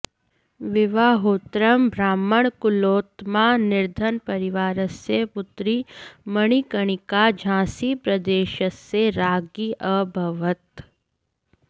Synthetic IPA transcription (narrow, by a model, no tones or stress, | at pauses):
ʋɪʋaːɦoːt̪ɾəmbʱɾaːməɳ̃kʊloːt̪mãnɪɾd̪ʱənpɐɾɪʋaːɾəsepʊt̪ɾiməɽ̃ikəɽ̃ɪkad͡ʒʱãːsipɾɐd̪eːʃəsːeɾaːɡiʔəbʱɐʋət̪